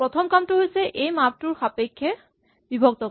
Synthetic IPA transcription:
pɾɔt̪ʰɔmkamʈuɦojt͡ɕʰeʔejmap̚ʈuɾxapekʰːe | bibʱok̚t̪ɔ

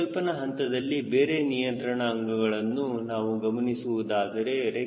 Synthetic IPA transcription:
lpɐnɐɦɐnt̪ɐd̪ɐlːibeːɾe̞nijɐnt̪ɾɐɳɐːŋɡɐɡɐɭɐnːunaːʋuɡɐmɐnisuʋud̪aːd̪ɐɾe̞ɾe

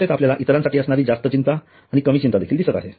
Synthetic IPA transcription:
et̪apljalaʔit̪ɾãnsaʈiːəsɳ̃aɾiːd͡zast̪ət͡ɕint̪aː | ɽ̃ikəmiːt͡ɕint̪ad̪ekʰiːld̪isət̪a̰ɦe

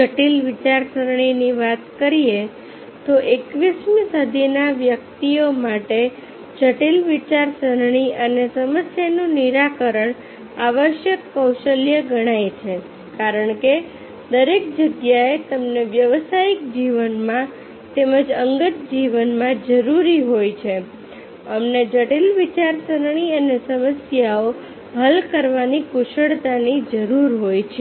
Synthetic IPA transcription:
d͡ʒəʈilʋit͡ʃaɾsəɾɳ̃iniʋat̪kəɾie | t̪oʔekʋismĩsəd̪ʱinaʋjək̚t̪iomaʈe | d͡ʒəʈilʋit͡ʃaɾsəɾɳ̃iʔənesəməsjanũniɾakəɾəɳ | aʋəʃjəkːəwʃəljəɡəɽ̃ajt͡ʃʰe | kaɾəɳke | d̪əɾek̚d͡ʒəɡjaet̪əmneʋjəʋsaikd͡ʒiʋənmã | t̪eməd͡ʒəŋɡət̪̚d͡ʒiʋənmãd͡ʒəɾuɾiɦojt͡ʃʰe | əmned͡ʒəʈilʋit͡ʃaɾsəɾɳ̃iənesəməsjao | ɦəlkəɾʋanikuʃəɽt̪anid͡ʒəɾuɾɦojt͡ʃʰe

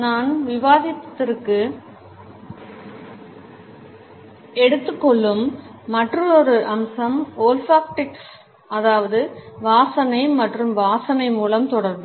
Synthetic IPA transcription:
naːnʋɪʋaːðɪt̪ːɪrkɯ | ɛɽɯt̪ːɯkːɔɭːɯmːɐʈrɯɔɾɯʔɐmsɐmoːlfaːkʈɪks | ɐðaːʋɐðɯʋaːsɐnɐɪmɐʈrɯmʋaːsɐnɐɪmuːlɐmt̪ɔɽɐɾd̪ɯ

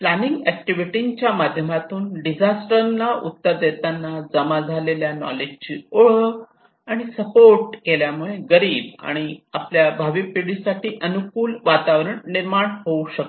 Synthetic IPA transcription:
planiŋɡɛk̚ʈiʋiʈiɲt͡ɕjamad̪ʱjəmat̪uːnɖid͡zʱasʈəɾnaṵt̪ːəɾd̪et̪anːad͡zəmad͡zʱaleljanɔ̰led͡ʑt͡ɕiːoɭə | aɽ̃isəpoɾʈ̚keljamuɭeɡəɾiːba̰ɽ̃iapljabʱaʋipiɽisaʈʰiːʔənukuːlʋat̪aʋɾəɳniɾmaɳɦouɕək

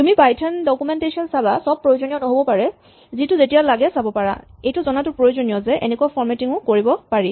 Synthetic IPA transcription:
tumipajtʰandɔkumɛntesiɔnsabasɔb̚pːɹojozonijɔnɔɦobɔpaɹɛ | zitʊzetijalaɡɛsabɔpaɹa̰ejtʊzɔnatʊpɹojozonijɔzɛʔḛnɛkuapʰɔɹmɛtiŋʊkoɹibɔpaɹi

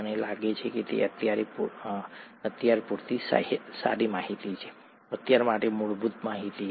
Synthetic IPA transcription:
ənelaɡet͡ʃʰeket̪ḛət̪jaɾepu | ət̪jaɾepuɾt̪isa̰sa̰ɾimaɦit̪it͡ʃʰe̥ | ət̪jaɾmaʈemuɭbut̪maɦit̪i

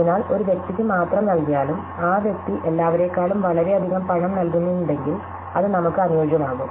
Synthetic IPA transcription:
inaːlo̞ɾuʋjek̚t̪ikʲːɨmaːt̪rɐmnɐlkijaːlum | aːʋjɐk̚t̪iʔe̞lːaːʋɐɾe̞ːkːaːɭumʋɐɭɐɾe̞ɐd̪ʱiɣɐmpɐɳɐmnɐlkunːuuɳɖe̞ŋɡil | ɐðɨnɐmukːɨɐnujoːɕɐmaːɣum

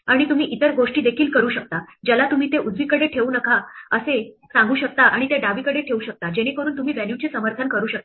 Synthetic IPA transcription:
aɽ̃it̪um̤iːʔit̪əɾɡoʂʈiːd̪ekʰiːlkəɾuːɕək̚t̪ad͡ʑalat̪um̤iːt̪eʔud͡zʋiːkəɽeʈʰeuːnəkaəse | sãŋɡuːɕək̚t̪aʔaɽ̃it̪eɖaʋiːkəɽeʈʰeuːɕək̚t̪ad͡ʑeɽ̃ekəɾuːnt̪um̤iːʋænjut͡ɕesəməɾt̪ʰənkəɾuːɕək̚t̪ḁ

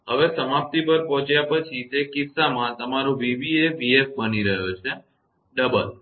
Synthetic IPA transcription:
ɦəʋesəmap̚t̪ipəɾpɔ̃ɦt͡ʃjapət͡ʃʰit̪ekitsamãt̪əmaɾũʋiʋieʋiefbəniɾəɦut͡ʃʰe | ɖəbəl

